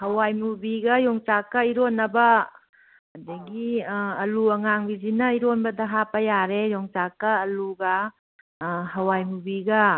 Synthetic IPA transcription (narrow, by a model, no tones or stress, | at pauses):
hɐwajmubiɡɐjɔŋt͡ʃakːɐiɾonːɐbɐ | hɐdɐɡiɐluɐŋaŋbizinɐiɾonbɐdɐɦapɐjaɾejɔŋsakːɐːluɡɐ | ɦɐwajmubiɡɐ